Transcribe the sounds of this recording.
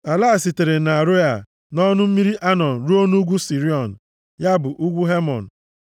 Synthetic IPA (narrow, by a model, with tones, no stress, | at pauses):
a˨la˦˨si˨te˨ɾe˨na˨a˨ɾo˦ja˨ | nɔ˦nʊ˦m̩˦mi˦ɾi˦ʔa˦nɔ˨n̩˨ɾu˦o˦nu˦ɡʷu˦si˨ɾi˦ɔ˨n̩˨ | ja˦bʊ˨ʔu˦ɡʷu˦ɦe˦mɔ̰˨n̩˨